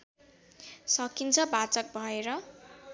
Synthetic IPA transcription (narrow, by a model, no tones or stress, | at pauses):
sʌkint͡sʰʌbat͡sʌk̚bʱʌeɾʌ